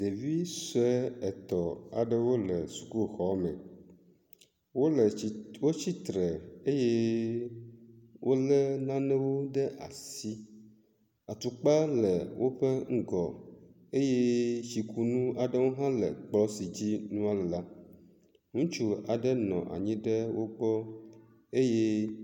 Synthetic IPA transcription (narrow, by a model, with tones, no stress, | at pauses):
d̪e˨vi˦sɛ˦ɛ˨t̪ɔ˨a̰˨ɖə˦wo˦lə˨su̥˨ku˦˨xɔ˦mɛ̰̃˨ | wo˦lwo˦t͡ɕi˦t̪ɾə˨e˦je˦ | wʔo˦lə˦nã˦nɛ̃˦wo˦ɖə˦ʔa̰˨si˦ | a˨t̪u˨k͡pa˦lə˨wʔo˦ɸə˦ŋ̩˦ɡɔ˨ | e˦je˦ʃi˨kʰu˦nũ˦a˨ɖə˦wo˦ɦã˦lə˨k͡plɔ˦si˨d͡ʑi˦nũ˦a˦lɛ˨la˦ | ŋũ˦t͡ʃu˦a˨ɖə˦nɔ̰̃˨ʔa̰˨ɲĩ˦ɖə˦wo˦ɡ͡bɔ˦ | e˦je˦